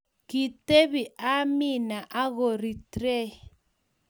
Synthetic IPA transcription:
ki˨te˦βi˨ʔa˦mi˦na˨ʔa˦ɣo˨ɾi˨tɾɛ˦

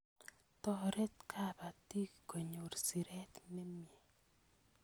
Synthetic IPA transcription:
t̪ɔ˨ɾe˦t̪kʰa˦ba˨t̪i˦kko˨ɲo˨ɾsi˨ɾɛ˦t̪ne˦mje˨

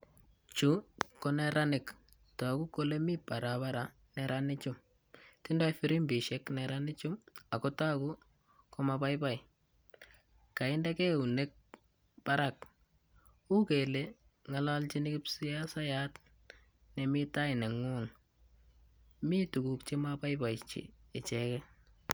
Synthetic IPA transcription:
t͡ʃu˦ko˦nɛ˦ɾanɪ˨k | ta˨ku˦ko˦lemi˦pa˨ɾa˨ba˦ɾa | nɛɾʔanɪ˦t͡ʃʊ˦m | tɪ˦ndɔ˦jfɪ˦ɾi˦mbi˨ʃɛ˦knɛ˨ɾanɪ˦t͡ʃʊ˦ma˨kɔ˦ta˦ku˦ | ko˦mapa˦jpa˦j | ka˨ɪ˦nda˦ke˦u˨ne˦k̚ | pa˦ɾak | u˦ke˨le˨ | ŋa˨lalt͡ʃi˦nɪ˦kɪ˦psi˦ja˦sa˦ja˦t | nɛ˨mi˦ta˦ɪ˨ne˨ŋʊ˦ŋ | mi˦tu˨ku˨kt͡ʃi˦mapa˦jba˨jt͡ʃḭ˨ɪ˨t͡ʃɛkɛ˦

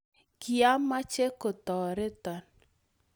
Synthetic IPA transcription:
kɪ˨a˦mːa˦t͡ʃe˦ko˨t̪ɔ˨ɾɪ˦tɔ˨n

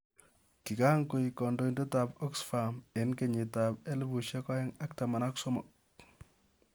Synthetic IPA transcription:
ki˨ka˦ŋko˨ikɔ˨ndo˦i˦ndo˦ta˨pɔ˦ksfa˨me˨˦nke˨ɲi˨ta˨pe˦lbu˨ʃɛ˦ka˦ɛ˦ŋa˦k̚ta˨ma˨na˦ksɔ˦mɔ̰˨k̚

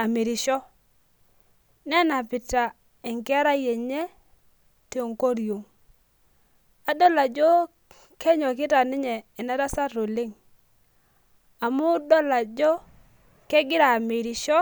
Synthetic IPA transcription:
a˨me˨ɾɪ˨ʃɔ˦ | nɛ˦na˨pɪ˨ta˨ | ɪ˨ŋkɪ˦a˦ɾa˦je˨ɲɛ˦ | ti˨o˨ŋko˦ɾi˨jo˨ŋ | a˨dɔ˦la˨d͡ʒo˦ | kɛ˦ɲɔ˨k̬ɪ˦ta˨nɪ˦ɲɛ˨ɛ˨na˦ɾa˦sa˦ɾo˨lɪ˦ŋ | a˨mʊ˦dɔ˦la˨d͡ʒɔ˦ | kɛ˦ɡɪ˦ɾa˨me˨ɾɪ˨ʃɔ˦

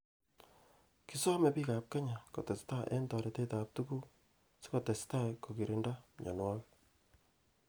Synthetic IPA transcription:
ki˦sɔ˦mɛ˨pi˦ka˨p̚ka˦ɲa˨kɔ˨tɛ˨sta˦ʔɛ̰˦ntɔ˨ɾɛ˨te˦ta˨p̚tu˦ɡu˦ | se̥˦kɔ˨tɛ˨sta˦ko˨ki˨ɾi˨nda˦ɲɔ̰˨nwa˦k

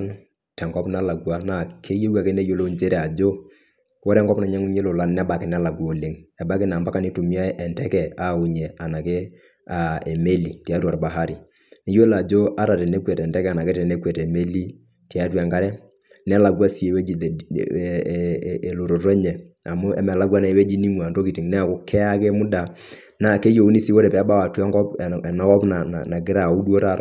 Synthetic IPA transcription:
n | tɛ˨ŋɡɔ˦pna˦la˨ɡwa˦na˨kʰe˦je˦wa˨ke˦ne˦jo˦lo˦nt͡ʃe˦ɾɛ˦˨a˨d͡ʒo˦ | wo˦ɾɛ˦ŋɡɔ˦pna˨ɲɛ˦ŋu˦ɲe˦lo˨la˦nnɛ˦ba˨kɪ˦nɛ˦la˨ɡu˦o˨le˦ŋɛ˨ba˦kɪ˦na˨mba˦ka˦ni˦tu˨mi˦a˦ʔɛ˨ntɛ˦kɛ˨a˦˨u˨ɲɛ˨a˨na˨ke˦ | a˨ɛ˨me˦li˨ti˨a˦tu˦a˨ɾba˨ɦa˦ɾi˨ | ne˨˦jo˦la˨d͡ʒo˦ʔa˦ɾa˨tɛ˨ne˦kwɛ˨tɛ˨ntɛ˦kɛ˦a˨na˨ke˦tɛ˨ne˦kwɛ˨tɛ˨me˦li˦ | ti˨a˦twɛ˨ŋɡa˦ɾɛ˦ | nɛ˦la˨ɡwa˦si˨e˨we˦d͡ʒi˨ | e˨lo˨ɾo˨ɾo˦ɲɛ˨ | a˨mʊ˦ɛ̰˦mɛ˨la˦ɡwa˦na˨e˨we˦d͡ʒi˦ni˦ŋwa˨ndo˦ki˨ti˨ŋnɛ˦a˨kʊ˦kʰɛ˦a˦ke˦mʊ˦da˨ | na˨ke˦jo˨u˦ni˦si˦wo˦ɾɛ˨pɛ˨a˦ba˦wa˨tu˦ɛ˦ŋɡɔ˦pna˨˦kɔ˦pna˨na̰˨na˨ɡɪ˦ɾa˦˨u˦du˦o˦ta˦ɾa˨

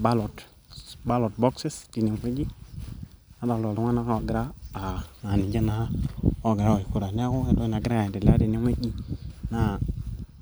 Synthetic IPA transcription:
ba˦lo˨t | ba˦lo˨tbo˦kse˦sti˨ni˨mke˦d͡ʒi˦ | a˦ba˨lo˨tŋʷa˦na˦ka˦o˨ɡi˨ɾaː˦˨ | ŋa˨ni˨d͡ʒe˦na˨ha˦o˦ɡi˨ɾa˦wo˨i˨ku˨ɾa˨n˦a˦ko˦ke˦to˦i˦na˨ɡɾa˦je˨de˨la˦di˨ni˦ŋʷ˦e˦d͡ʒi˦na˦˨

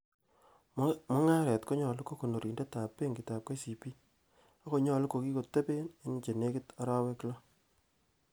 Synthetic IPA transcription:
mʊ˦ŋa˦ɾɛ˨tko˦ɲɔ˨lʊ˦ko˦ko˨no˨ɾi˨nde˦ta˨pːe˦ŋɡi˨ta˨p̚ke˦si˨pi˦ | a˦ko˦ɲɔ˦˨lu˦ko˨ki˦ko˨te˦pe˦nɪ˦n˦t͡ʃe˨ne˦kɪ˦ta˦ɾa˦we˦ki˦la˦

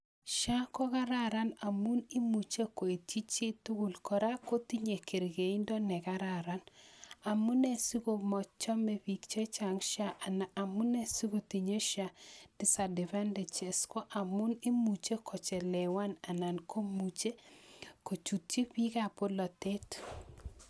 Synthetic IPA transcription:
ʃa˦kɔ˦ka˦ɾa˦ɾa˦na˨mu˦ni˦mu˨t͡ʃe˦ko˨e˨t͡ʃi˦t͡ʃi˦tu˦ɡu˨lkɔ˨ɾa˦ko˦t̪i˦ɲe˨ke˨ɾɡe˨i˦ndɔ˦nɛ˨ka˦ɾa˨ɾa˨na˨mu˦ne˦si˦ko˦mɔ˨t͡ʃɔ˦me˦pi˨kt͡ʃe˦t͡ʃa˨ŋʃa˦ʔnaː˨mu˦ne˦si˦ɡo˦˨ti˨ɲe˦ʃa˨d̥ɪ˦sa˨dɛ˨va˦ndɛ˨t͡ʃe˨skɔ˦ʔa˨mʊ˦ni˦mu˨t͡ʃe˦kʰɔ˨t͡ʃɛ˨lɛ˨wa˦na˨na˨nko˦mu˨t͡ʃe˦ko˨t͡ʃu˨tt͡ʃi˦pi˦ka˦˨po˦lɔ˨te˦t

